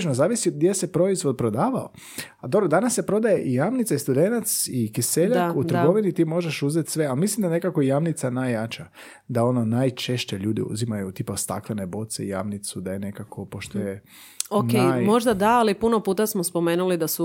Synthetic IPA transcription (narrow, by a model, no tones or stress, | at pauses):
t͡ʃnozaːʋisiod̪̚ɡdjesepɾo̞izʋo̞d̪̚pɾod̪aːʋao̰ | ad̪o̞bɾod̪anasːe̞pɾo̞d̪aje̞ʔijamnit̪saist̪ud̪enat̪sikiseʎakut̪ɾɡo̞ʋinit̪iːmo̞ʒeʃuzet̪sʋe̞almislimd̪aenekakoijamnit̪sanajːat͡ʃa | d̪ao̞nonaːjt͡ʃe̞ʃt͡ɕeʎuːd̪ḭṵzimajut̪ipast̪a̰klˠene̞bo̞t̪seḭja̰mnit̪sud̪ajene̞kakʰo̞poʃt̪oje | okneajjmo̞ʒd̪ad̪aalipunopuːt̪asmospomeːnulid̪asu